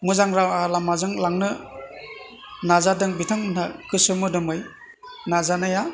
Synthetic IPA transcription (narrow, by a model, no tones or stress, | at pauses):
muzaŋɾawalamazɯŋlaŋnɯ | nazadɯŋbitʰaŋnakɯsɯmɯdɯmɯj | nazanaja